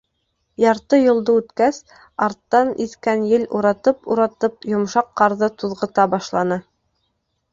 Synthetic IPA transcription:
jɑɾt̪ɤjŏlˠd̪ɤʉt̪kæs | ɑɾt̪ːɑniθkænjɘluɾɑt̪ɤpuɾɑt̪ɤpjŏmʃɑqːɑɾðɤt̪uðʁɤ̆t̪ɑbɑʃlˠɑnɤ

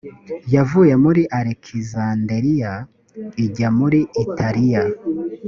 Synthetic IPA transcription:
javujemuɾiʔaɾekʰizandeɾija | iɟamuɾiitʰaɾija

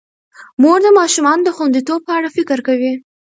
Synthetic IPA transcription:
moɾd̪əmɑʃumɑnod̪əxund̪it̪ob̚pəaɽafɪkɾkawi

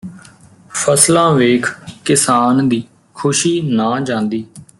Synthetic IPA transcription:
pʰəslãːʋeːkʰkɪsaːnd̪iː | kʰʊʃiːnãːd͡ʒãːnd̪iː

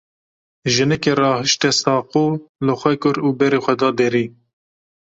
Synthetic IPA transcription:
ʒɨnɛkerɑːhɨʃt̪ɛsɑːquːlɨxʷɛkʊɾuːbɛɾeːxʷɛd̪ɑːd̪ɛɾiː

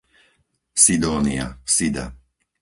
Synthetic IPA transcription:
sid̪ɔːnia̰sid̪a̰

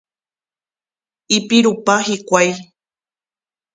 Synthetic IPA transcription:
ipiɾupahikʷaj

